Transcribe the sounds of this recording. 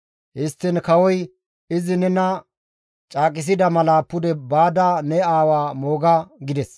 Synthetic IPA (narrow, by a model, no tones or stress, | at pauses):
hɪst̪ːɪnkɐwɔj | ɪzɪnɛnɐ | t͡ʃʼaːkʼɪs̬ɪd̪ɐmɐlapːʊd̪ɛbaːd̪anɛaːwaːmo̞ːɡɐɡɪd̪ɛs